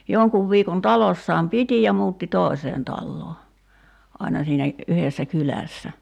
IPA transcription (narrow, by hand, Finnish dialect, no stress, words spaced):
joŋkuʋ ʋiːkon tɑlosːɑːm piti jɑ muːtːi toˑi̞seːn tɑlːoː ɑinɑ siːnæ yhesːæ kylæˑsːæ